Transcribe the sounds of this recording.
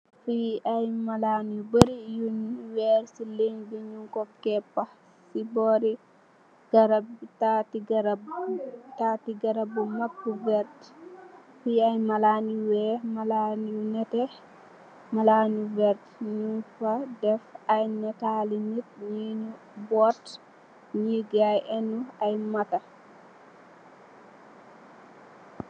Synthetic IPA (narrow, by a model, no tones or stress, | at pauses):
fiajmalanubəɾijunwɛɾsileɲɡiɲuŋkɔkɛpːa | sibɔɾi | ɡ̥aɾabtatiɡaɾabtatiɡaɾabumapːuvɛɾt | fiajmalanwɛmalaniunɛtɛ | malanuvɛɾtɲufadɛfajnɛtalinitɲinu | bɔɾt | ɲiɡajʔɛnuajmata